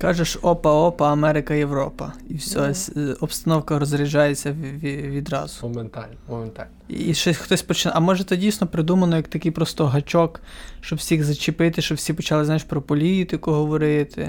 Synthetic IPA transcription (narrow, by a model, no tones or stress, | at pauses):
kɑʒɛʃɔpɐɔpɐɐmɛɾɪkɐjewɾɔpɐ̰iwsʲɔɦɔsʲɔpst̪ɐnɔwkɐɾɔzɾɪʒɑjet͡sʲːɐʋʲiʋʲid̪rɑ̰zʊmnt̪alʲnmɔment̪alʲniʃɔsʲxt̪ɔsʲpɔt͡ʃɪnɐmɔʒɛt̪ɛdʲijsʲnɔpɾɪd̪umɐnɔjɐk̚t̪ɐkɪjpɾɔst̪ɔɦɐt͡ʃɔkʃt͡ʃɔbwsʲiɣzɐt͡ʃɪpɪt̪ɪʃt͡ʃɔbwsʲipɔt͡ʃɑlˠɪznajiʃpɾɔpɔlʲit̪ɪkʊɦɔʋɔɾɪt̪ʰɪ̰